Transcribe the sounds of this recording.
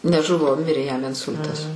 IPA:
nʲɛˈʒʊʋoː ˈmʲɪrʲeː jɛm ɪnˈsʊlʲtɐs

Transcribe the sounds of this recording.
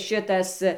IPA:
ˈʃʲɪtɐs

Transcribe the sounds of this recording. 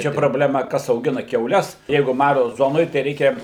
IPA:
ˈt͡ʃʲɛ proːbʲlʲɛˈmɐ ˈkɐs ɐʊˈɡʲɪnɐ kʲɛʊˈlʲɛs ˈjɛɪɡʊ ˈmɑːroː ˈzoːnoːj tɐɪ ˈrʲɛɪkʲɛ

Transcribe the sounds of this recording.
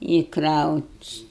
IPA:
ɪ krɐʊtʲ

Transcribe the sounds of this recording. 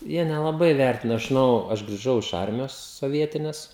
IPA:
ˈjiɛ nʲɛlˠɐˈbɐɪ ˈʋʲɛrʲtʲɪnɐ ɐʃ ʒʲɪˈnɐʊ ɐʃ ɡrʲɪˈʒɐʊ ɪʃ ˈɐrʲmʲɪjoːs soːˈʋʲiɛtʲɪnʲɛs

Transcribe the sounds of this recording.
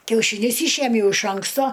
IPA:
kʲɛʊʃʲiːˈnʲʊs ˈiːʃʲiɛmʲjɛʊ ɪʃ ˈɐŋkstoː

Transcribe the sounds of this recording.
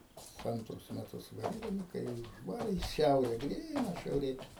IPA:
ˈɐntrʊs mʲɛˈtʊs ˈbɐɪɡʲɪm ˈkɐɪ jɛʊ ʊʒˈʋɑːrʲɪ ɪ ˈʃʲɛʊrʲɛ ˈɡrʲiːnɐ ʃʲɛʊˈrʲeː

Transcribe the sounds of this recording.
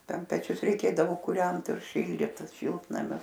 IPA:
ˈtʲɛn pʲɛˈt͡ʃʲʊs rʲɛɪˈkʲeːdɐʋoː kʊˈrʲɛnt ɪr ˈʃʲɪlʲdʲiːt ˈʃʲɪlˠtnɐmʲʊs

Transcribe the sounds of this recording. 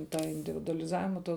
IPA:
ˈtɑː ɪnʲdʲɪʋʲɪdʊɐlʲɪˈzɑːʋʲɪmɐ toː

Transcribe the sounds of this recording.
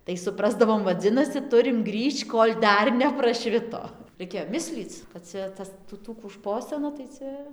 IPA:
tɐɪ sʊˈprɑːzdɐʋoːm ʋɐˈd͡zʲɪnɐsʲɪ ˈtʊrʲɪm ˈɡrʲiːʃt͡ʃ ˈkoːlʲ ˈdɐr nʲɛprɐˈʃʲʋʲɪtoː rɐɪˈkʲeːjoː ˈmʲɪsʲlʲiːt͡s kɐt ˈt͡sʲɛ ˈtɐs tuː ˈtuː kuː ˈʃpoːsʲɪnɐ tɐɪ ˈt͡sʲɛ

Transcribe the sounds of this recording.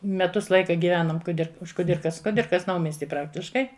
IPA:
mʲɛˈtʊs ˈlˠɐɪkɐ ɡʲɪˈʋʲæːnoːm kʊˈdʲɪr ʊʃ kʊˈdʲɪrkɐs kʊˈdʲɪrkɐs ˈnɐʊmʲiɛsʲtʲɪ ˈprɑːktʲɪʃkɐɪ

